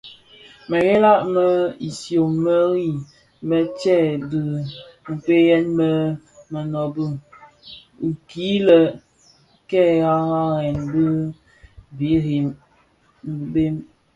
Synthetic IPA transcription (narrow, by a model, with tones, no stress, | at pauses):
mə˨ɣɛ˦la˦ʔmə˦i˨sjo˨mmə˦ɾi˦˨ | mə˨t͡ʃɛ˦˨bɨ˨ŋ̩˨ke˦jɛ˦nmə˦ | mə˨nɔ˨bu˦˨ | ki˨˦lə˨ | kɛ˦ɣa˦ɣa˦ɣɛ˨nbɨ˦ | bi˨˦ɾi˨m | m̩˨be˦m